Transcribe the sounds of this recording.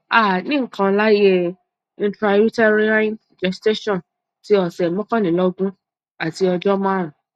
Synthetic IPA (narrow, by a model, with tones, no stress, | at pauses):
a˦˨nĩ˦ŋ̩˦kã˧la˦je˦ | ĩ˨˧˦tɾa˧u˦ta˦ɾi˦ã˦n | d͡ʒɛ˨ste˦ʃɔ̃˦˨n | ti˨˦ɔ˨sɛ˨mɔ̃˦kã˦nĩ˨lɔ˦ɡũ˦ | a˨ti˧ɔ˧d͡ʒɔ˦mã˦ɾ̃ã˨